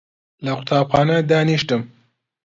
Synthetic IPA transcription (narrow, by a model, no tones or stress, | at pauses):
laqʊt̪ʰɑːbxɑːnad̪ɑːniʃʈəm